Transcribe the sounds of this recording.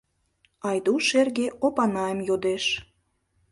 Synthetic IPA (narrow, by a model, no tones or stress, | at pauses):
ɑjd̪uʃerɣeʔopɑnɑəmjod̪eʃ